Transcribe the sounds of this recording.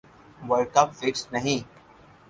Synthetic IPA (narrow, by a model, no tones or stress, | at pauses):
ʋəɾkɐpfɪʈsnɐɦĩː